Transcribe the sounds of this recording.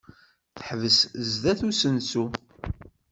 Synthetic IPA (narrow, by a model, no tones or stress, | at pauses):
θə̥ħvəszðæθusənsu